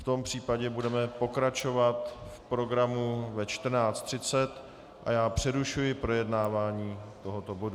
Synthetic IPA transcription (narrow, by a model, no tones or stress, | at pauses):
ft̪o̞mpr̥iːpaɟɛbudɛmɛpo̞kɾat͡ʃo̞vat̪fpɾo̞ɡɾamuvɛt͡ʃt̪r̩naːt͡st̪r̥ɪt͡sɛt̪ | ʔa̰jaːpr̝̥ɛɾuʃujɪpɾo̞jɛdnaːvaːɲiːt̪o̞ɦot̪o̞bo̞du